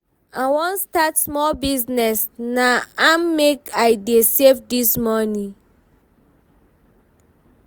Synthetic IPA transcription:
awɔ̃nstatsmɔlbiznɛsnaamːekajdesevdismɔnĩ

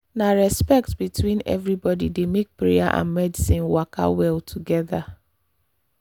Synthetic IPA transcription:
naɹɛspɛk̚tbitʰwĩnɛ̰vɾibɔdḭdemek̚pɹea̰ʔã̰nmɛdisĩnwakʰa̰wɛlˠtʰuɡɛða

